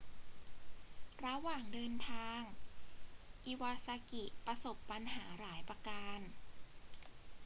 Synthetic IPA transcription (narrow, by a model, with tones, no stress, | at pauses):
ɾa˧waː˨˩ŋdɤː˧nt̪ʰaː˧ŋ | ʔi˨˧˩wa˧sa˧ki˨˩ʔpɾa˧so˨˩pːa˧nɦaː˩˦ɾaː˩˦jpɾa˧kaː˧n